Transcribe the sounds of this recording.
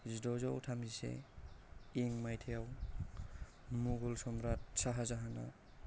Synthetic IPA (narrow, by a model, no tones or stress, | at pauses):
zidɔzawtʰamzisḛ | iŋmajtʰejaw | muɡɔlsɔmɾat̚saɦazaɦana̰